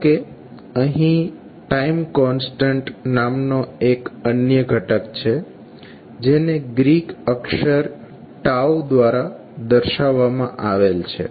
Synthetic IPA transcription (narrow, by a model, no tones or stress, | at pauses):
ke | əɦĩ | ʈaimkɔnsʈə̃ɳʈnamnoekənjəɡʱəʈəkt͡ʃʰe | d͡ʒeneɡɾikəkʃəɾ | ʈawd̪ʋaɾa | d̪əɾʃaʋːamãʔaʋelt͡ʃʰḛ